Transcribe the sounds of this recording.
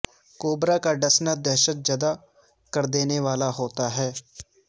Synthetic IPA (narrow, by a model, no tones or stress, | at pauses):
koːbɾaːkaːɖəsnad̪ɛːʃət̪̚d͡ʒad̪aː | kəɾd̪eːneːʋaːlaːɦoːt̪aːɦɛː